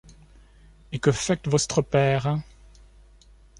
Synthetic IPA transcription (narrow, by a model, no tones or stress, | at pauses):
ekəfɛk̚t̪vɔst̪χəpɛːʁ